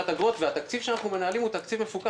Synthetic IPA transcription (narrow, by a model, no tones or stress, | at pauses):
at̪aɡʁo̞t̪veat̪akt͡sivʃeanaχnume̞naalimut̪akt͡sivmefuka